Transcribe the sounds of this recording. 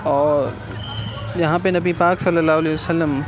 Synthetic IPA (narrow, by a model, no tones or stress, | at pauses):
ɔːɾ | ʄɐɦãpenɐbipaːksɐlːəlːaːɦʊɐlesəlːəm